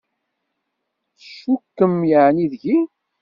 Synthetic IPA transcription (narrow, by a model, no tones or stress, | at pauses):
θʃːukːəmjəʕniðʝi